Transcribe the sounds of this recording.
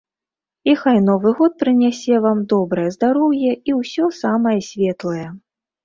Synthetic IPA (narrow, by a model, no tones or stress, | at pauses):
ixajnɔvɨɣɔt̪̚pɾɨnʲasʲɛvamd̪ɔbɾɐjɐzd̪aɾɔwjɛiwsʲɔsamɐjɐsʲvʲɛt̪lˠɐjɛ